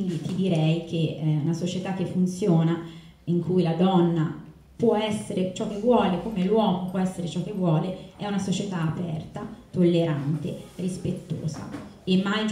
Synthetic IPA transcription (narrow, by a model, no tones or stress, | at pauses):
ind̪it̪id̪iɾɛjk̟ʰeunasot͡ʃet̪akːefːunt̪sjoːna | iŋkʰujlad̪ɔnːa | pwɔɛsːeɾet͡ʃɔk̟ːevːwɔːlekomelwɔːmopwɔɛsːeɾet͡ʃɔkːevːwɔːleɛunasot͡ʃet̪aːpɛ̰rt̪at̪olːeɾant̪ḛrispet̪ːo̰ːza̰ | emːaj